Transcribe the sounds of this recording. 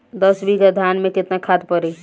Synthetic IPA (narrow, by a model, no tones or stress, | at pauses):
d̪əsbʱikad̪ʱanmẽkɪt̪nakʰad̪pəɾi